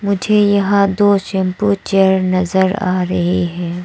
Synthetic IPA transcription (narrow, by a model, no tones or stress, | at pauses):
mʊd͡ʒʱejɐɦãd̪oːʃɛ̃mput͡ʃeɾnɐzəɾa̰ːɾɐɦiɦɛ̃ː